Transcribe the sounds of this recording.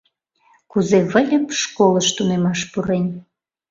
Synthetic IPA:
kuzeβə̆lʲəpʃkoləʃt̪unemɑʃpuɾenʲ

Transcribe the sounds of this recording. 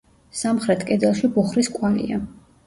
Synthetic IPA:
samχɾɛt̪ʰkʼɛd̪ɛlˠʃibuχɾiskʼwalḭa̰

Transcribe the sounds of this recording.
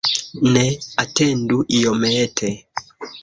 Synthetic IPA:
nɛatɛnduʔijɔmɛtʰɛ

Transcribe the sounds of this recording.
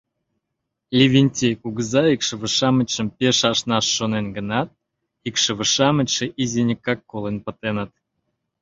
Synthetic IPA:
lʲivʲinʲtʲejkuɡəzɑikʃə̆βə̆ʃɑmə̆t͡ɕə̆mpʲeʃɑʃnɑʃːonenɡə̆nɑt̪̚ | ikʃə̆βəʃɑmə̆t͡ɕʲʃĕʔizʲenʲikːɑkːolˠenpə̆t̪enət̪̚

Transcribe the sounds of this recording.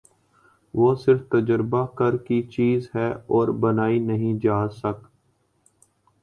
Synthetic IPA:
ʋoːsɪɾft̪əd͡ʒəɾbakəɾkit͡ʃiːzɦɛːɔːɾbənaːinɐɦĩd͡ʒaːsək

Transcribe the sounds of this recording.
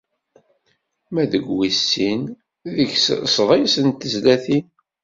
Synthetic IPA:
mæðəɡwisːin | ðəçssðˤisənt̪əzlæθin

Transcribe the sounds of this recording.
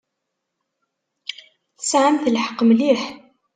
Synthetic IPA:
θəsʕəmθəlħə̥qːmliħ

